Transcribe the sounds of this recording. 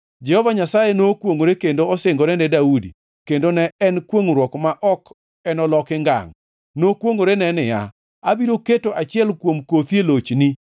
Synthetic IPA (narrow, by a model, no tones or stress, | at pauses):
d͡ʒɛhɔvaɲasajenokwoŋoɾekendoɔsɪŋɡoɾɛnɛdaudḭ | kendonɛɛnkwoŋɾwɔkmaʔɔk | ɛnɔlɔkɪŋɡa̰ŋ | nokwoŋoɾenɛnɪja̰ | abiɾoketoʔat͡ʃɪɛlkwomkot̪jelot͡ʃni